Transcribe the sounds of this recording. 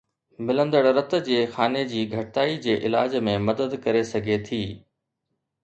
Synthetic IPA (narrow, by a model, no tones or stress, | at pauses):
mɪlə̃nd̪əɽɾɐt̪d͡ʑeːxaːned͡ʑiːɡʱɐʈɪt̪aːid͡ʑeːʔɪlaːd͡ʑmẽmɐd̪əd̪kɐɾesɐɡʱet̪ʰiː